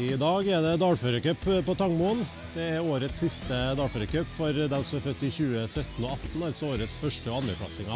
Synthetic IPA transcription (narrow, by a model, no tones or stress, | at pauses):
ɪd̪ɑːɡɛd̪ɛd̪ɑːɽføːɾəkœpːpɔt̪ʰɑŋmuːn | d̪̥ɛɛɾoːɾət̪ssɪst̪əd̪ɑːɽføːɾəkœpːfɔɾd̪ɛmsɔmæɾfœt̪ːɪçʉːəsœt̪n̩oːɑt̪n̩ɑlsɔoːɾət̪sfœʂʈəɔɑnd̪ɾəpʰɽɑ̰sɪŋɑ